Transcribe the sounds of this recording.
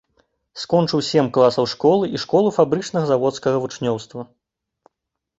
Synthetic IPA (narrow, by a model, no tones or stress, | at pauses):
skɔnt͡ʂɨwsʲɛmklˠasɐwʂkɔlˠɨʔiʂkɔlˠufabɾɨt͡ʂnɐɣɐzavɔt̪skɐɣɐvut͡ʂnʲɔwst̪vɐ